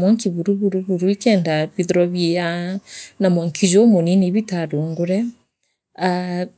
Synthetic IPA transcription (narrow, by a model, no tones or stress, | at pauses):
mɔŋkiβuɾuβuɾuβuɾuikɛndaβiðɔɾɔβjejanamɔŋkʰizomoniniβitaɾoŋɡoɾɛ | a